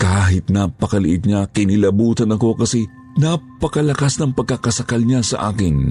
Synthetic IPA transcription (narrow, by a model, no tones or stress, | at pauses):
kaːɦɪt̪napɐkɐlɪʔɪt̪̚ɲakɪnɪlɐbuːt̪ɐnɐko̞kɐsɛ | napɐkɐlɐkasnɐŋpɐɡ̚kakɐsɐkalɲasɐ̰ʔaːkɪn